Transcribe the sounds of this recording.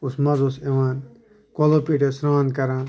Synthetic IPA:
usmɐzoseʋaːn | kolopiʈesɾãːnkɐɾãːn

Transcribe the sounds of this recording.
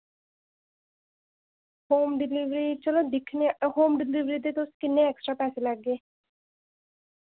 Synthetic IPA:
hoːmɖɪliʋɾit͡ʃəlod̪ɪkʰneɦoːmɖɪliʋɾid̪eːt̪oʊskɪnːeɛksʈɾapɛːseləɡːeː

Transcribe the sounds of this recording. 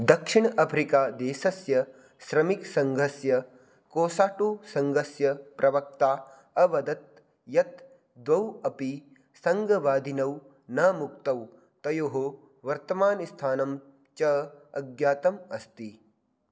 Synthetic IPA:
d̪ɐkʂiɳ̃ɐpʰɾikaːd̪eːsɐsjɐ | ʃɾɐmiksɐŋɡʱɐsjɐ | koːsaːʈusɐŋɡʱɐsjɐpɾʔɐʋɐk̚t̪aː | ɐʋɐd̪ɐt̪̚ | jɐt̪ | d̪ʋɐwɐpi | sɐŋɡʱɐʋaːd̪ʱinɐw | nɐmuk̚t̪ɐw | t̪ɐjoɦo | ʋɐɾt̪ɐmaːnist̪ʰaːnɐm | t͡ʃɐɐɡjaːt̪ɐmɐst̪i

